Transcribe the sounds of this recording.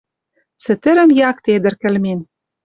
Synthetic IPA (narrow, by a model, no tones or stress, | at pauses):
sɘ̆t̪ɘ̆ɾɘ̆mjɑkt̪ed̪ɘ̆rkɘ̆lmen